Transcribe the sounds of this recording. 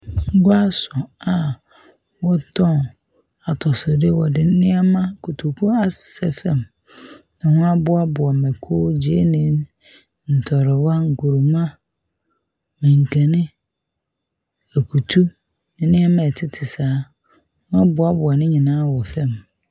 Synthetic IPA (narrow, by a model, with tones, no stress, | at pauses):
ŋ̩˦ɡʊ˦a˦sʊ˨a˨ | wɔ˦tʰɔ̃˦˨n | a˨tʰɔ˨sʊ˨dɪ˦wɔ˨dɪ˨n˦nɪ̃˦ɛ˦mã˦kʰu˨tʰu˨kʰu˦a˨ssɛ˦fɛ̃˦˨m | nɪ̃˨hʊ̃˦a˦bʊ˦a˦bʊ˨a˨mɛ˨kʰʊː˦d͡ʑe˦nɪ̃˦n | n̩˨tʰɔ˨ɾɪ˨wa˦ŋ̩˨ku˨ɾu˨mã˦ | mɪ̃˨ŋ̩˨kʰɛ˨nɪ̃˦ | æ˨kʰu˨tʰu˦ | nɪ̃˨nɪ̃˦ɛ˦mã˦˨ɛ˨tʰɪ˦tʰɪ˨saː˨˦ | hʊ̃˦a˦bʊ˨˦a˦bʊ˨a˨nɪ̃˦ɲĩ˨nãː˦wɔ˨fɛ̃˦˨m